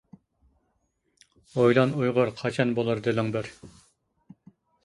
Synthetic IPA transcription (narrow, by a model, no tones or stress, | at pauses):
ojlˠɑnujʁʊɾqʰɑt͡ʃʰɑnbolˠɨɾd̪ɪlɪŋbɪɾ